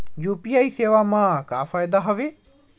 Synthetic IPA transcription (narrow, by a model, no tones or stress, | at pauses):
juːpijaiseːʋamãkaːfʰaːjd̪aɦɐʋeː